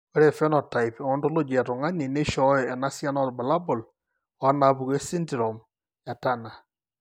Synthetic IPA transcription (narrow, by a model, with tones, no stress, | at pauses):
wɔ˦ɾe˨fɛ˦nɔ˨ta˨jpɔ˦ndo˦lo˦d͡ʒɛ˨tɔ˨ŋa˦ɲi˨ne˦ʃɔ˦jɛ˨na˦sja˦nɔ˦tba˨la˦bɔ˨l | ɔa˦na˨pu˨ke˦si˦nti˨ɾɔm | ja˨tana˨